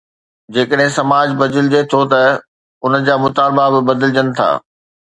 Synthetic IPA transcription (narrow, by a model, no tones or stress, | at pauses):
d͡ʑeːkəɗɦɪ̃sɐmaːd͡ʑbɐd̪ɪlɪd͡ʑet̪ʰot̪ɐ | ʊnəd͡ʑaːmʊt̪aːlbabɪbɐd̪ɪlɪd͡ʑənɪ̆t̪ʰa̰ː